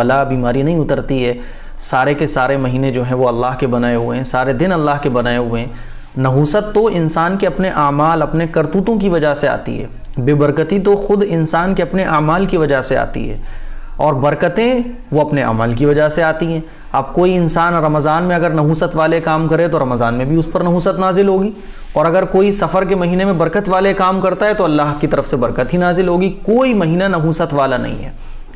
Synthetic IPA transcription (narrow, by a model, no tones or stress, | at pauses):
ɐlabiːmaːɾinɐɦĩʊt̪əɾt̪iɦɛː | saːɾekesaːɾemɐɦiːnẽd͡ʒoːɦɛ̃ʋoɐlːaːɦkebɐnaːeɦʊeɦsaːɾed̪ɪnɐlːaːɦkebɐnaːeɦʊẽ | nɐɦuːsət̪ːoɪnsaːnkeɐpneʔaːmaːlɐpnekɐɾt̪uːt̪õkiʋɐd͡ʒasea̰ːt̪ḭɦɛ̰ː | beːbɐɾkət̪it̪oxʊd̪ɪnsaːnkeɐpneʔaːmaːlkiʋɐd͡ʒasea̰ːt̪ḭɦɛ̰ːɔːɾbɐɾkət̪ẽ | ʋoɐpneɐ̰məlkiʋɐd͡ʒaɦseaːt̪iɦɛ̃ː | ɐb̚koːiɪnsaːnɾɐmzaːnmẽɐɡəɾnɐɦuːsət̪ʋaːlekaːmkɐɾẽt̪̬oɾɐməzaːnmẽbʱiʊspɐɾnɐɦuːsət̪naːzɪlɦoːɡiː | ɔːɾɐɡəɾkoːisɐfəɾkemɐɦiːnemẽbɐɾkət̪ʋaːlekaːmkɐɾt̪aɦɛt̪oɐlːaːɦkit̪ɐɾəfsebɐɾkət̪ɦinaːzɪlɦoːɡikoːimɐɦiːnanɐɦuːsət̪ʋaːlanɐ̰ɦḭ̃ɦɛ̰ː